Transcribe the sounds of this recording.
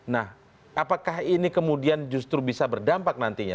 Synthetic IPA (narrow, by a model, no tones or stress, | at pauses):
nah | ʔapakaɦinikəmudiand͡ʒust̪ɾubisabərdampak̚nant̪iɲa̰